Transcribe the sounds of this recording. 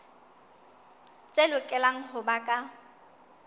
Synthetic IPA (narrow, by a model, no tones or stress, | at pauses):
t͡sʼelʊkʼɛlaŋ̩hʊbakʼa